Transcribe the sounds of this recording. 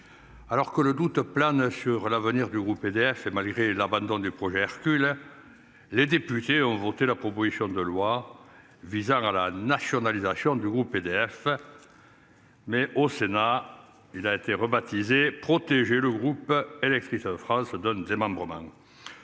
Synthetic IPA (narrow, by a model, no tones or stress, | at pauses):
alɔʁkələd̪ut̪planəsyʁlavəniʁd̪yɡʁuped̪eɛfemalɡʁelabɑ̃d̪ɔ̃d̪ypχɔʒeɛʁkʲyl | led̪epyt̪eɔ̃vɔt̪elapχɔpozisjɔ̃d̪əlwa | vizɑ̃ŋalanasjɔnalizasjɔ̃d̪yɡʁuped̪eɛf | mɛʔosena | ilaet̪eʁəbat̪izepχɔt̪eʒeləɡʁupelɛk̚t̪χisəd̪əfχɑ̃səd̪ɛ̃d̪emɑ̃mbʁəmɑ̰̃